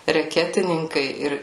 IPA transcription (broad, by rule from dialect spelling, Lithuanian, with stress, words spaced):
rʲɛˈkʲæːtʲɪnʲɪŋkɐɪ ˈɪr